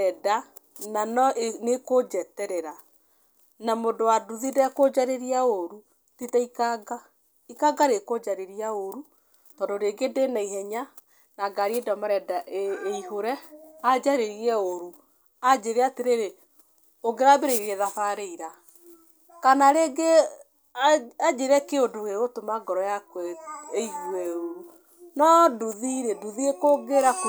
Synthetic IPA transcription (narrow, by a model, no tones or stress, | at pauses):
ɛda | nanɔnekod͡ʒɛtɛɾɛɾa | namodowaduðidɛkod͡ʒaɾeɾiaoɾu | titɛikaɡa | ikaɡaɾekod͡ʒaɾeɾiaoɾu | tɔdoɾeɡedenaihɛɲa | naɡaɾiedɔmaɾɛdaʔeeiɦoɾɛad͡ʒaɾeɾiɛoɾu | ad͡ʑeɾeateɾeɾe | oɡeɾabeɾeɾieðafaɾeiɾa | kanaɾeɡe | ad͡ʑeɾɛkeodokeɣotomaɡɔɾɔjakwɛeihwɛoɾu | nɔduðiɾeduðiekoɡeɾak